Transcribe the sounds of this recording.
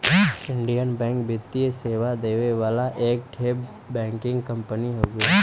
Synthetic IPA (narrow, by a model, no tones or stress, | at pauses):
ɪ̃ɳɖijənbɛ̃ːŋkbɪt̪ːieseːʋad̪eːʋeʋaːlaʔeːk̚ʈʰeːb | bɛ̃ːŋkɪ̃ŋɡkə̃mpəniɦoːɡa